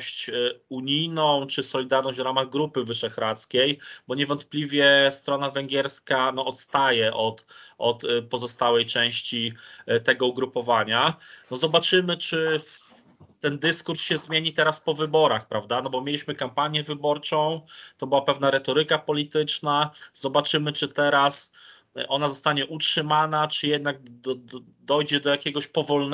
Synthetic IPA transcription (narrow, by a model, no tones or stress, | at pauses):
ɕt͡ɕuɲijnɔ̃w̃t͡ʂɘsɔlʲid̪aɾnɔʑd͡ʑʲvɾamaɣɡɾupɘvɘʂɛxɾat̪skʲejbɔɲɛvɔnt̪̚plʲivʲjɛst̪ɾɔnavɛŋɡʲɛɾskanɔɔt̪st̪ajɛʔɔt̪ɔt̪pɔzɔst̪awɛjt͡ʂɛ̃w̃ɕt͡ɕit̪ɛɡɔuɡɾupɔvaɲanɔzɔbat͡ʂɘmɘt͡ʂɘ | t̪ɛnd̪ɘskuɾsɕɛzmʲjeɲit̪ɛɾaspɔvɘbɔɾaxpɾʔavd̪anɔbɔmʲjelʲiɕmɘkampaɲjɛvɘbɔɾt͡ʂɔ̃w̃t̪ɔbɘwapɛvnaɾɛt̪ɔɾɘkapɔlʲit̪ɘt͡ʂnaz̥ɔbat͡ʂɘmɘt͡ʂɘt̪ɛɾas | ʔɔnazɔst̪aɲɛʔutʂɘmanat͡ʂɘjɛd̪naɡ̪̚ | d̪ɔjd͡ʑɛd̪ɔjakʲɛɡɔɕpɔvɔln